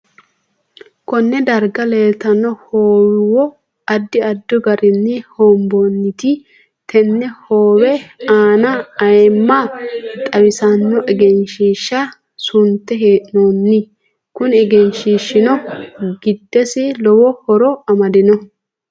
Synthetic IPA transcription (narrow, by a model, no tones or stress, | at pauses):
kɔnːɛd̪ɐɾɡɐleːt̪ɐnːɔhoːwɪwɔ | ɐd̪ːɪɐd̪ːɔɡɐɾɪnːɪhoːmbonːɪt̪ɪ | t̪ʰɛnːɛhoːwɛaːnɐːjmːat̪ʼɐwɪsɐnːɔʔɛɡɛnʃiːʃːɐ | sʊnt̪ːɛɦeːnonːɪ | kʊnɛɡɛnʃiːʃːɪnɔɡɪd̪ːɛsɪlɔwɔhɔɾɔɐmɐd̪ɪnɔ